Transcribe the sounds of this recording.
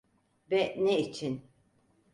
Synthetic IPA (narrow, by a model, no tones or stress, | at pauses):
bɛneit͡ʃʰin